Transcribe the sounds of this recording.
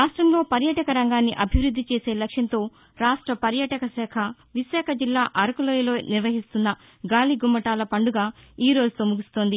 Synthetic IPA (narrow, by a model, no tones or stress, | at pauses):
ɾaːʂʈɾɐmlo̞ːpɐɾjɐʈɐkɐɾɐŋɡaːnːiʔɐbʱiʋɾud̪ʱːit͡ʃe̞ːse̞ːlɐkʂjɐnt̪o̞ː | ɾaːʂʈɾɐpɐɾjɐʈɐkɐsɛːkʰɐ | ʋiʃaːkʰɐd͡ʒilːaːʔɐɾɐkɐloːjlo̞ːniɾʋɐɦist̪unːɐ | ɡaːliɡumːɐʈaːlɐpɐɳɖuɡaːiːɾoːd͡ʒut̪oːmuɡist̪o̞ːnd̪i